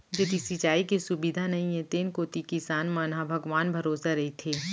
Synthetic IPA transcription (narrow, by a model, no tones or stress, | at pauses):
d͡ʒɐd̪isit͡ʃaːikesʊbid̪ʱanɐɦĩẽt̪eːnkoːt̪ikisaːnmɐːnabʱɐɡʋaːnbʱɐɾoːsaɾɐɦit̪ʰeː